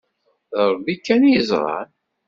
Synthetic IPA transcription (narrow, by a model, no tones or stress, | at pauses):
əɾˤbikːænjəzˤɾˤɑ̰n